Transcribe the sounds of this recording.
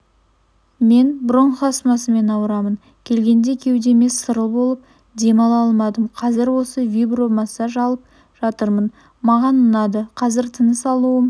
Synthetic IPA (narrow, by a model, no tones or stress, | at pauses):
me̞nbʊɾoɴχɑsmɑsəme̞nɑwəɾɑmən | kʲʰe̞lɡʲe̞nd̪e̞kʲʰe̞wd̪e̞me̞sːəɾəlˠbo̞lˠəp̚ | d̪e̞mɑlˠɑlˠmɑd̪əmqʰɑzɪɾwo̞səvʲibromɑsɑʒɑlˠəp̚ | ʒ̥ɑt̪əɾmən | mɑʁɑnənɑd̪əqʰɑzɪɾt̪ʰənəsɑlˠuwəm